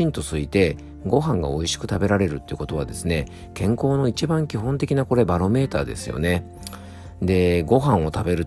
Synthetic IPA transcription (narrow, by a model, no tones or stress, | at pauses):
ĩnt̪o̞sɨit̪e̞ | ɡo̞ɦãŋɡa̰oiɕi̥kɯ̟t̪abe̞ɾaɾe̞ɾɯ̟t̪ːeiɯ̟ko̞t̪o̞βa̰d̪e̞sɨne̞ | kẽ̞ŋko̞ːno̞it͡ɕibãŋkʲiɦõ̞nt̪e̞kʲinako̞ɾe̞baɾo̞me̞ːt̪aːd̪e̞̰sɨjo̞̰ne̞ | d̪e̞ɡo̞ɦãɰ̃o̞t̪abe̞ɾɯ̟t̪